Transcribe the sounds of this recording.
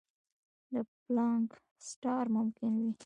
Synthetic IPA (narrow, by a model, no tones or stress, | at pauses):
d̪əplɑŋk | sʈɑɾmʊmkɪnwi